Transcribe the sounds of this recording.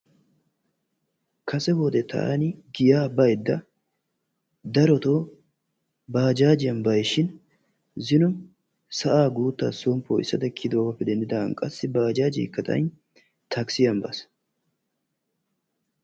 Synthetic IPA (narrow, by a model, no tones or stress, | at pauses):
kʰɐsɛbod̪ɛt̪ɐ̰ʔa̰nɪɡɪjaːbɐjd̪ːɐ | d̪ɐɾɔt̪oː | baːd͡ʒaːd͡ʒɪjɐnbɐjʃɪn | zɪnɔn | sɐʔaːɡuːt̪ːaːsɔmpːoːɪ̰sːɐd̪ɐkʰːɪd̪oːɡɐpːɛd̪ɛnd̪ɪd̪ɐɐnkʼɐsːɪbaːd͡ʒaːd͡ʒɪ̰ːkːɐt̪ʼɐ̰jn | t̪ʰɐksɪjɐmbɐs